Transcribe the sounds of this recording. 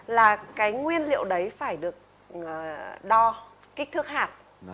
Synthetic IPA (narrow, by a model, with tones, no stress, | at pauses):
laː˨˩kaː˨˦jŋwi˧ənlḭ˧˨əwɗə˨˦jfaː˧˩jɗɨ˨˩ək̚ | ɗɔ˧ | ki˦˥k̚t̪ɨ˦˥k̚haː˨˩t̚